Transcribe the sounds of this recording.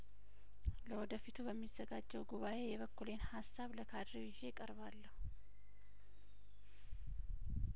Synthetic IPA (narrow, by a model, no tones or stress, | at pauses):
ləwɔd̪əfit̪ʰubəmːizːəɡad͡ʒːɛwɡuβaʔe̞jɛβəkːulenhasːaβləkʰad̪ɾiβɪʒe̞kʼəɾβalːəhu